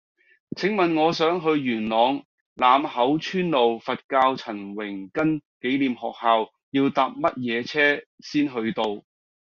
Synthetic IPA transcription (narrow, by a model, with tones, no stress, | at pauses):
t͡sʰɪ˨˥ŋmɐ˨nŋɔː˨˧sœː˨˥ŋɦɵ˧ɥjyː˨˩nlɔː˨˧ŋ | laː˨mhɐ˨˥wt͡ʃʰyː˥nlo˨wfɐ˨t̚kaː˧wt͡sʰɐ˨˩nwɪ˨˩ŋkɐ˥nke˨˥jliː˨mɦɔː˨k̚haː˨˧w | jiː˧wt̪aː˨p̚mɐ˥t̚jɛː˨˧t͡sʰɛː˥ | siː˥nɦɵ˧ɥt̪o˧w